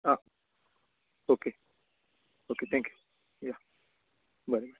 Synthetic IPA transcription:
a | oke | oket̪ʰɛ̃ŋkju̥ | ja | baɾebaɾ

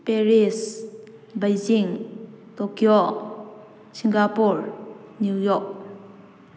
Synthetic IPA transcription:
pɛris | bəjziŋ | tokiɔ | siŋɡapuɹnjujɔk̚

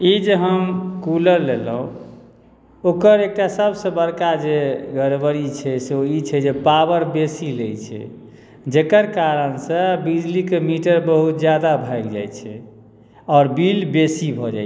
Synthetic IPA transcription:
id͡ʒeɦəmkuləɾlelɦũ | okəɾek̚ʈasəbsə̃bəɾkad͡ʒeɡəɾbəɾit͡ʃʰɛseoit͡ʃʰɛd͡ʒepabəɾbesilejt͡ʃʰɛ̰ | d͡ʒekəɾkaɾənsə̃bid͡ʒlikemiʈəɾbəɦut̪̚d͡ʒjad̪abʱaɡd͡ʒa̰jt͡ʃʰɛ̰ | ɔːɾbilbesibʱɔd͡ʒa̰j

